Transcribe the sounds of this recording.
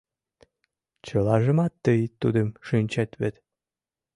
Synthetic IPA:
t͡ɕə̆lɑʒə̆mɑt̪ːəjt̪ːud̪əmʃynʲt͡ɕæt̪βet̪

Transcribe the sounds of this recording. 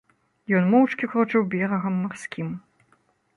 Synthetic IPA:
jɔnmɔwt͡ʂkʲikɾɔt͡ʂɨwbʲɛɾɐɣɐmːarsʲkʲim

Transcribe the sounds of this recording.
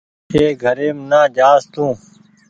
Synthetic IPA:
eːɡʱəɾeːmnaːd͡ʒaːst̪ũː

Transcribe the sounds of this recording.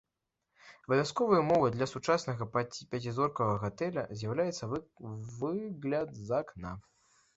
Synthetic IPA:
ɐbɐvʲjaskɔvɐjɐmɔvɨd̪lʲɐsut͡ʂasnɐɣɐpʲat͡sʲizɔrkɐɣɐɣat̪ɛlʲɐ̰zʲjawlʲajɛt̪sɐvɨɣlʲɐt̪zɐkna

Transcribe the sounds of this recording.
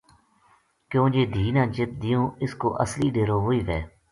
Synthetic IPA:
kjõːd͡ʒeːd̪ʱiːnãːt͡ʃɪt̪̚d̪ijõːɪsko̰ːʔəsliːɖeːɾoːɦoːiːʋɛː

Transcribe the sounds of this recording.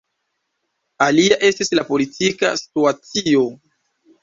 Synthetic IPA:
aliaʔe̞stislapo̞litʰika̰si̥tuat͡sio̞

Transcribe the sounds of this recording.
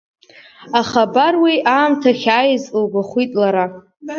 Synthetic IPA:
aχabarwiʔaːmtʰaχʲaːjizlɡʷaχʷitʼlaɾa

